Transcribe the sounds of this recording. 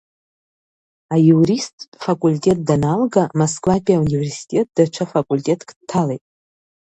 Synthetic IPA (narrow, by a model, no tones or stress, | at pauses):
ajuɾistʰʼfakʼultʼe̞t̚danalɡamoskʼlapʼiauniversi̥tʲʼet̚d̥at͡ʃʷʰafakʷʼulʲtʲʼe̞tʰkʼdtʰːalejtʼ